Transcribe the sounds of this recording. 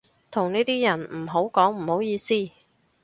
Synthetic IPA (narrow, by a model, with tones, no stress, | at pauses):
t̪ʰʊ˨˩ŋniː˥t̪iː˥jɐ˨˩nm̩˨˩ɦo˨˥wkɔː˨˥ŋm̩˨˩ho˨˥wjiː˨˧siː˥˩